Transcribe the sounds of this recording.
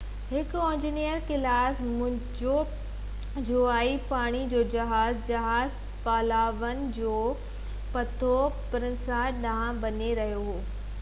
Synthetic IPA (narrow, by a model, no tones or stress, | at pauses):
ɦɪkʊẽːɲd͡ʑiːnijəɾkɪlaːsmʊ̃ɦd͡ʑo | d͡ʑoaːipaːɽ̃id͡ʑoːd͡ʑɐɦaːzd͡ʑɐɦaːz | paːlaːʋənɪ̆d͡ʑoː | pɐt̪ʰopɪɾə̃nsaɗãːãbɐɲeɾɐɦijoɦoː